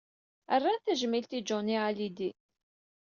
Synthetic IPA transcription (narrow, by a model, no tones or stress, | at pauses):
ərːanθæʒəmilt̪id͡ʒʊnialid̪i